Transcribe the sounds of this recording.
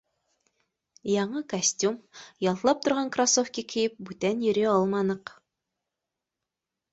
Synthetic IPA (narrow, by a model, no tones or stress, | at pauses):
jɑɴɤkɐsʲtʲumjɑlˠt̪lˠɑp̚t̪ŏɾʁɑŋkrasofkʲikʰɘ̆jɘp̚bʉt̪ænjɵ̆ɾɘɑlˠmɑnɤq